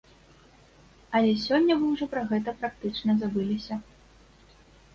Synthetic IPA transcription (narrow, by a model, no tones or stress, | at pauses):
ɐlʲɛsʲɔnʲːɐvɨwʐɔpɾɐɣɛt̪ɐpɾak̚t̪ɨt͡ʂnɐzabɨlʲisʲɐ